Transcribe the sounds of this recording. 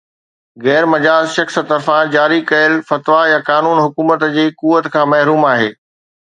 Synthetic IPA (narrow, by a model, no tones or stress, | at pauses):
ɣɛːɾmɐd͡ʑaːzʃɐxsə̆t̪ɐɾfãd͡ʑaːɾikɐjəlfɐt̪ʋajakaːnuːnɦʊkuːmət̪d͡ʑeːkuːʋət̪kʰãːmɐɦɾuːmaːɦḛː